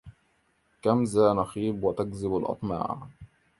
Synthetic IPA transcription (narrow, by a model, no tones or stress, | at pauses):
kamzaːnɑxiːbwat̪aɡzɪbalʔɑ̰t̪ˤma̰ːʕ